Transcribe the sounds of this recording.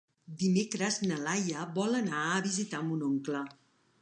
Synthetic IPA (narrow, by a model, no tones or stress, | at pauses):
d̪imekɾəznəlajəβɔlənaəβizit̪amunoŋklə